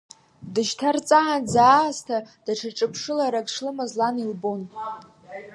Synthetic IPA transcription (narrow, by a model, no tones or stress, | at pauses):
dɨʃtʰart͡sʼaʕand͡zaːstʰad̥aʈ͡ʂʰaʈ͡ʂʼɨpʰʂɨlaɾakʼʂlɨmazlanilbon